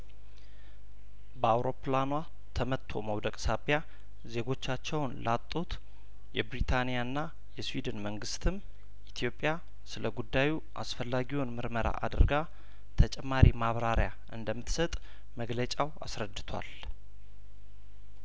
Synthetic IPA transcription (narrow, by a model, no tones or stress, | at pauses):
bəawɾo̞planwa | t̪ʰəmət̪ʰːo̞̰məwd̪əkʼsabja | ze̞ɡo̞t͡ʃːat͡ʃːɛwnlat̪ʼːot̪ | jɛbɾit̪ʰanijaɨnːa | jɛswid̪ɨnməŋɡɨst̪ʰɨm | ʔit̪ʰjo̞pʼːja | sɨləɡud̪ːaju | ʔa̰sfəlːaɡiwunmɨɾməɾa̰ʔa̰d̪əɾɡa | t̪ʰət͡ʃʼɛmːaɾimaβɾaɾja | ʔɨ̰nd̪əmːɨt̪sət̪ʼ | məɡlət͡ʃʼawa̰sɾəd̪ːɨt̪ʰwa̰l